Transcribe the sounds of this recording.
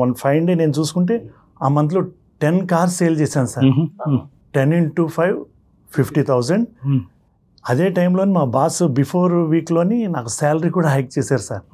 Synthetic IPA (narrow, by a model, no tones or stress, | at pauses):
ɐnpʰɐjɳɖeːne̞ːnut͡ʃuːsu̥kuɳʈe̞ː | aːmɐnd̪̬lo | ʈenkaːɾseːjlt͡ʃeːsaːnusaːɾ | ʈeniɳʈuːpʰɐjʋ | pʰipʰʈiːt̪ʰɐwzɐɳɖ | ɐd̪e̞ːʈɐjmlo̞ːnimaːbaːsbipʰoːɾʋiːklo̞ːninaːkusaːlɐɾikuːɽaːɦɐjk̚t͡ʃeːsaːɾusaːɾ